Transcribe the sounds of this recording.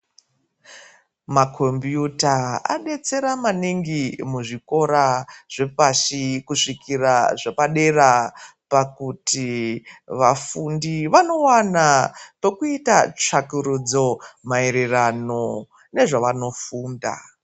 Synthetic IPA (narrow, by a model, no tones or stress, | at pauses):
makʰombjutaa̰ɗe̞t͡se̞ɾamaniŋɡimuʐiko̞ɾaʐ̥e̞paʃikuʂikiraʐepaɗe̞rapakuti | ʋafundiʋano̞wanape̞kuitat͡ʂakuɾud͡zo̞maeɾerano̞ | ne̞ʐaʋano̞fuːnda̰